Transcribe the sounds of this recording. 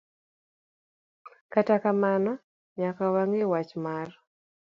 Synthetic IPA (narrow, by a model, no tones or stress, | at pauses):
katakamana | ɲakawaŋewat͡ʃmar